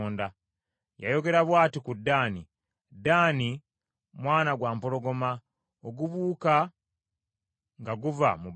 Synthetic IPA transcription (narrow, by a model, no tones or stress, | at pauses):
nda | ja̰jo̞ɡe̞ɾaβwaːtikudːaːni | daːni | mwaːnaɡwaːmpolo̞ɡo̞ma | oɡuβuːka | ŋɡaɡuva̰mub